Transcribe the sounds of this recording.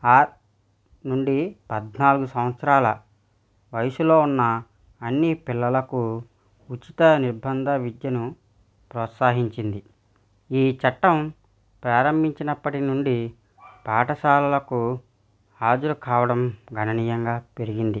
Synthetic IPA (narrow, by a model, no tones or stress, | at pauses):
aː | nuɳɖipɐd̪naːluɡusɐmʋɐt̪sɐɾaːlɐ̰ | ʋɐjɐsulo̞ːunːɐː | nːipilːɐlɐku | ut͡ʃit̪ɐniɾbɐnd̪ʱɐʋid̪jɐnu | pɾɔːt̪saːɦiɲt͡ʃind̪i | iːt͡ʃɐʈːɐm | pɾaːɾɐmbʱiɲt͡ʃinɐpːɐʈinuɳɖi | paːʈɐʃaːlɐlɐku | aːd͡ʒɐɾukaːʋɐɽɐmɡʱɐnɐniːjɐŋɡaːpe̞ɾiɡind̪i